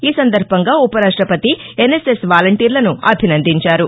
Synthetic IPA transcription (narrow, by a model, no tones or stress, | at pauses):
iːsɐnd̪ɐɾbʱɐŋɡaːupɐɾaːʂʈɾɐpɐt̪ienese̞sʋaːlɐɳʈiːɾlɐnuɐbʱinɐnd̪iɲt͡ʃaːɾu